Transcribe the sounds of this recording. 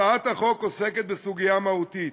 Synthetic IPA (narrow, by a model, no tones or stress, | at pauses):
aat̪haχo̞koseket̪̚besuɡijamahut̪it̪